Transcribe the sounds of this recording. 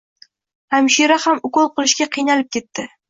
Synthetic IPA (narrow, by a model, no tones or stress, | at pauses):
amʃiɾahamʊkolˠqɨlˠɪʃkʲaqʰɨjnalɪp̚kʲʰe̞t̪ːɪ